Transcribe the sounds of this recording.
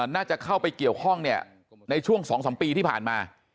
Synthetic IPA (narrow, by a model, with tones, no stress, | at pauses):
naː˥˩t͡ɕa˨˩kʰa˥˩wpa˧jki˨˩əwkʰɔ˥˩ŋni˥˩ə | na˧jt͡ɕʰu˥˩əŋsɔː˩˦ŋsɔː˩˦mpiː˧t̪ʰiː˥˩pʰa̰ː˨˩nmaː˧